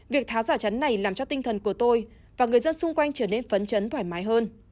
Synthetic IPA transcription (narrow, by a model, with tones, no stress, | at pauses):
vi˨˩ək̚t̪ʰaː˨˦wzaː˧˩t͡ɕə˨˦nːa˨˩jlaː˨˩mt͡ɕɔ˧t̪ï˧ŋ̟t̪ʰə˨˩nku˧˩ət̪o˧j | vaː˨˩ŋɨ˨˩əjzə˧nsʊ˧ŋ͡mkwa˧jŋ̟t͡ɕəː˧˩ne˧nfə˨˦nt͡ɕə˨˦nt̪waː˧˩jmaː˨˦jɦəː˧n